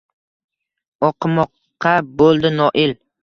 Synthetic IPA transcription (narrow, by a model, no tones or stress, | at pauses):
ɒqʰɨmɒqʰː | ɑbolˠd̪ɪnɒʔɪl